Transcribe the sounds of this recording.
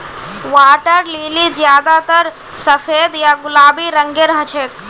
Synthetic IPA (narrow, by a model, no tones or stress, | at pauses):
ʋaːʈəɾliːlid͡ʒjaːd̪at̪əɾ | səfʰeːd̪jaɡʊlaːbiɾəŋɡeɾəɦət͡ʃʰeːk